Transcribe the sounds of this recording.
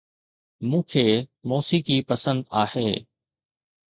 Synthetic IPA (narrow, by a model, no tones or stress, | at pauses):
mũːkʰeːmoːsiːkipɐsə̃nd̪aːheː